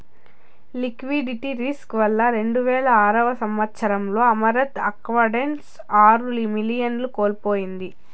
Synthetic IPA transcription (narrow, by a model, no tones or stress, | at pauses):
likʋiɖiʈiɾiskʋɐlːɐɾe̞ɳɖuʋɛːlɐaːɾɐʋɐsɐmʋɐt̪sɐɾɐmlo̞ːɐmɐɾɐt̪ɐkʋɐɾɖens | aːɾulimilijɐnlukoːlpoːjind̪i